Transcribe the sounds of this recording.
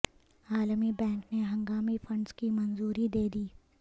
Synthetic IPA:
aːlmibɛ̃ːŋkneɦɐ̃ŋɡaːmifʰɐ̃ɳɖskimɐnzuːɾid̪eːd̪iː

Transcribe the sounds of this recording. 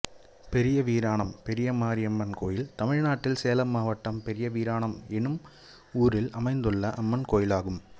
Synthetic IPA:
pɛɾɪjɐʋiːɾaːɳɐmpɛɾɪjɐmaːɾɪɐmːɐnkoːjɪlt̪ɐmɪɻnaːʈːɪlseːlɐmːaːʋɐʈːɐmpɛɾɪjɐʋiːɾaːɳɐmɛnɯm | uːɾɪlɐmɐɪnd̪ɯɭːɐʔɐmːɐnkoːjɪlaːɣɯm

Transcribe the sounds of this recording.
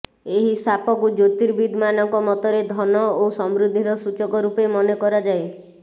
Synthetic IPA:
eɦisapɔkud͡ʒot̪iɾbid̪ʱmanɔŋkɔmɔt̪ɔɾed̪ʱɔnɔosɔmɾud̪ʱːiɾɔsut͡ʃɔɡɔɾupemɔnekɔɾad͡ʒae

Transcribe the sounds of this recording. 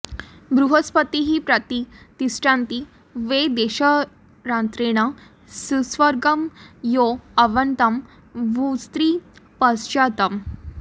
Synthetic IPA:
bɾuɦəspət̪iɦiːpɾət̪it̪isʈãnt̪i | ʋed̪eɕə | ɾãnt̪ɾeɽ̃a | susʋəɾɡəmjoɐʋənt̪əm | ʋust̪ɾipəsɕat̪əm

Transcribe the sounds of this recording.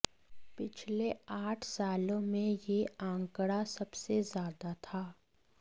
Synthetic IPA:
pɪt͡ʃʰleaːʈʰsaːlõmẽjeãːŋkɽasɐbsezjaːd̪at̪ʰaː

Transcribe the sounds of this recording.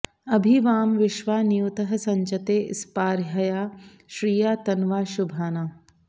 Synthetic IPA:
ɐbʱiʋaːmʋɪʃʋaːnijut̪ɐɦɐ̆sɐɲt͡ʃɐt̪eːʔɪ̰spaːɾjɐjaː | ʃɾiːjaːt̪ɐnʋaːʃubʱaːnaː

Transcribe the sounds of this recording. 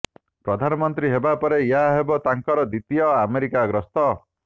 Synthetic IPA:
pɾɔd̪ʱanɔmɔnt̪ɾiɦebapɔɾejaɦebɔt̪aŋkɔɾɔd̪it̪ijɔameɾikaɡɾɔst̪ɔ

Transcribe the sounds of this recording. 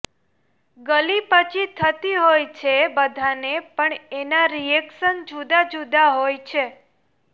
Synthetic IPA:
ɡəlipət͡ʃʰit̪ʰət̪iɦojt͡ʃʰebəd̪ʱanepəɳenaɾiɛkʃənd͡ʒud̪ad͡ʒud̪aɦojt͡ʃʰe

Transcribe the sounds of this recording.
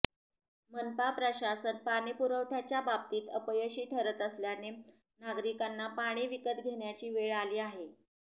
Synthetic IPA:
mənpapɾəɕasənpaɽ̃ipuɾəʋʈʰjat͡ɕjabab̚t̪iːt̪əpəjəɕiːʈʰəɾət̪əsljane | naɡɾikanːapaɽ̃iʋikət̪ɡʱeɳjat͡ɕiːʋeɭaliːaɦe

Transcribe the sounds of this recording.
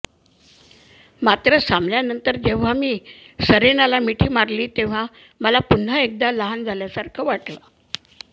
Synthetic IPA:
mat̪ɾəsamljanənt̪əɾd͡ʑeʋ̤amiː | səɾenalamiʈʰiːmaɾliːt̪eʋ̤a | məlapun̤əek̚d̪aləɦand͡zʱaljasaɾkʰəʋaʈla

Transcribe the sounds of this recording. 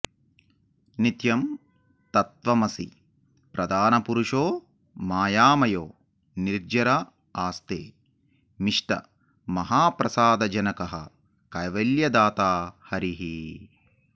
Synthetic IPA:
nit̪jɐm | t̪ɐt̪ʋɐmɐsḭ | pɾɐd̪ʱaːnɐpuɾuʂoː | maːjaːmɐjoː | niɾd͡ʒɐɾa | aːst̪ḛː | miʂʈɐ̰ | mɐɦaːpɾɐsaːd̪ɐd͡ʒɐnɐkɐɦɐ̰ | kɐjʋɐljɐd̪aːt̪aːhɐɾiɦi

